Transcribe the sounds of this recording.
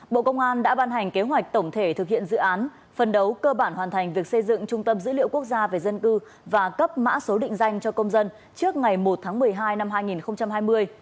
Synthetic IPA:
ɓo̰˧˨kə˧wŋ͡mʔaː˧nɗa̰ː˧˥ɓaː˧nɦa˨˩jŋ̟ke˨˦ɦwa˨˩k̟̚t̪ə˧˩wŋ͡mt̪ʰe˧˩t̪ʰɨ˨˩k̚hḭ˧˨ənzɨ̰˧˨ʔaː˨˦n | fə˨˩nɗə˨˦wkəː˧ɓaː˧˩nhwaː˨˩nt̪ʰa˨˩jŋ̟vi˨˩ək̚sə˧jzɨ̰˧˨ŋt͡ɕʊ˧ŋ͡mt̪ə˧mzɨ̰˧˥lḭ˧˨əwku˦˥ək̚zaː˧ve˨˩zə˧nkɨ˧ | vaː˨˩kə˦˥p̚ma̰ː˧˥so˨˦ɗḭ̈˧˨ŋ̟za˧jŋ̟t͡ɕɔ˧kə˧wŋ͡mzə˧n | t͡ɕɨ˦˥ək̚ŋa˨˩jmo˨˩t̚t̪ʰaː˨˦ŋmɨ˨˩əjɦaː˧jna˧mhaː˧jŋi˨˩nxə˧wŋ͡mt͡ɕa˧mɦaː˧jmɨ˧əj

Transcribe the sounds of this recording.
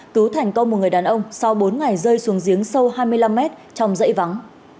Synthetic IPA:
kɨ˨˦wt̪ʰa˨˩jŋ̟kə˧wŋ͡mo˨˩t̚ŋɨ˨˩ə˩jɗaː˨˩nʔə˧wŋ͡msa˧wɓo˨˦nŋa˨˩jzəː˧jsu˨˦əŋzi˨˦əŋsə˧wɦaː˧jmɨ˧əjla˧mːɛ˦˥t̚t͡ɕɔ˧wŋ͡mzə̰˧˥jva˨˦ŋ

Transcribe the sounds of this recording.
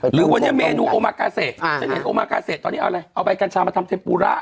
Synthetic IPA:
ɾɯː˨˦wa˧nːi˦˥˨meː˧nuː˧ʔoː˧maː˧kaː˧seː˨˩t̪̚a˧˥he˨˦nʔoː˧maː˧kaː˧se˨˩t̪ːɔː˧niː˦˥ʔʔa˧jʔa˧wpa˧jka˧nt͡ɕʰaː˧ma˧t̪ʰmt̪ʰe˧˦mpuː˧ɾa̰ː˦˧˥ʔ

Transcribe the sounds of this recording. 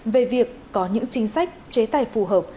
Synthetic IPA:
ve˨˩vi˨˩əkːɔ˨˦ɲɨ̰˧˥ŋt͡ɕï˨˦ŋ̟sa˦˥jk̟̚t͡ɕe˨˦t̪aː˨˩jfu˧˨˩ɦəː˨˩p̚

